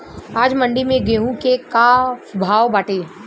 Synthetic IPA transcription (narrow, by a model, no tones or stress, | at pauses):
aːd͡ʒmɐ̃ɳɖimẽɡeːɦũkekabʱaːʋbaːʈeː